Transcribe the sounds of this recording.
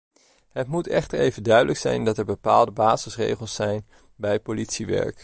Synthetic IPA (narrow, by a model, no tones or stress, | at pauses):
ɦətmutɛχtəɹejvəndœɥdələksɛ̰jndɑtɛɹbəpaːlˠdəbaːzəsrḛjχəlˠsːɛjn | bɛjpolitsiʋɛ̰ɹk